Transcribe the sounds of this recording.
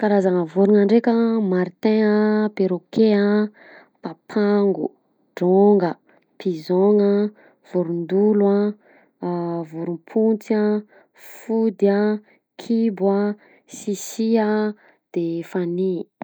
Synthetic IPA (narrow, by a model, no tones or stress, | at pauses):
kaɾazaŋəvuɾuŋaɳɖ͡ʐekəmaɾit̪ɛ̃əpeɾokea | papʰaŋɡṵ | ɖ͡ʐoŋɡə | pʰizoŋa | v̥uɾund̪ulwa | vuɾumpʰunt͡sa | fud̪a | kʰibwa | sisia | d̪̥efani